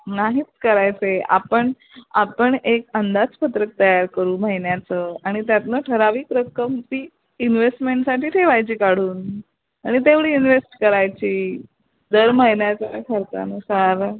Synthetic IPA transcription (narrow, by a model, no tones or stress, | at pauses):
naɦiːt̪̚kəɾajt͡sea̰pəɳ | apəɳekənd̪ad͡zpət̪ɾək̚t̪əjaɾkəɾuːməɦinjat͡səaɽ̃it̪jat̪nəʈʰəɾaʋiːkɾəkːəmt̪iː | inʋesʈmeɳʈsaʈiːʈʰeʋajt͡ɕiːkaɽ̤uːn | aɽ̃it̪eʋɽiːinʋesʈkəɾajt͡ɕiː | d̪əɾməɦinjat͡sakʰəɾt̪a̰nusaɾ